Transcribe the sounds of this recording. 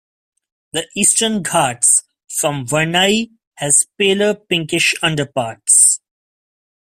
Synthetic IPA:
d̪əʔiːsʈənɡʰaːɖs | fɾɔ̃mʋənaɪ | hɛz̥peːləpɪ̃ŋkɪʃʌ̃ɳɖəpaːɾʈs

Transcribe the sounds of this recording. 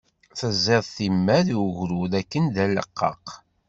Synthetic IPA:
θəzːeðˤθimːæðuʝɾuðækːənd̪ælːə̰qːɑ̰q

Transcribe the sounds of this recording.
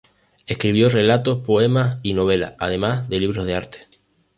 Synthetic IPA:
ehkɾiβ̞jorelat̪ospoemasinoβ̞ela̰a̰ð̞emazðeliβ̞ɾozðeaɾt̪e̥

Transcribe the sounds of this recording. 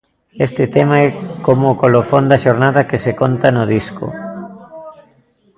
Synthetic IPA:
ɛst̪ɪt̪ɛmaɛkomoːkolofond̪ɐʃoɾnaðɐkesekont̪ɐnoð̞iskʊ̰

